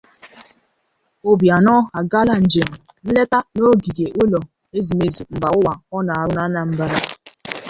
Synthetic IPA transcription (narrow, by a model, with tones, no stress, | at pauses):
o˦bja˨nɔ˦a˨ɡa˦la˦n̩˨d͡ʒe˨m̩˨ | n̩˦le˦ta˦no˦ɡi˨dje˨ʔo˦lo˨ | e˦zi˨me˦˨zu˨m̩˨ba˨ʊ˦wa˨ɔ˦na˨a˨ɾʊ˦na˦na˦m̩˦ba˦ɾa˦